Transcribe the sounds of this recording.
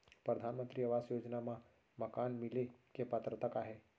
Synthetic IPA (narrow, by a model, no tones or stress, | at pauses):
pɾəd̪ʱaːnmə̃nt̪ɾiɐʋaːsjoːd͡ʒnamã | mɐkaːnmɪlekepət̪ɾət̪əkaːɦe